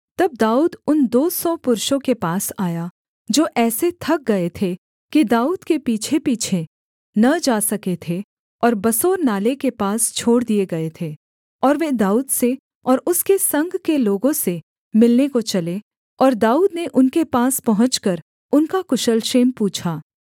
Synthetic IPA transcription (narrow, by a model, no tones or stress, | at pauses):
t̪ɐb̚d̪aːuːd̪ʊnd̪oːsɔpʊɾʃõkepaːsaːja | d͡ʒoːʔɛːset̪ʰɐk̚ɡɐet̪ʰe | kid̪aːuːd̪kepiːt͡ʃʰepiːt͡ʃʰe | nɐd͡ʒaːsɐket̪ʰe | ɔːɾbɐsoːɾnaːlekepaːst͡ʃʰoːɽd̪ieɡɐet̪ʰeː | ɔːɾʋeːd̪aːuːd̪se | ɔːɾʊskesɐ̃ŋɡʱkeloːɡõse | mɪlnekot͡ʃɐle | ɔːɾd̪aːuːd̪neʔʊnkepaːspɐɦʊ̃t͡ʃkɐɾ | ʊnkakʊʃəlʃeːmpuːt͡ʃʰaː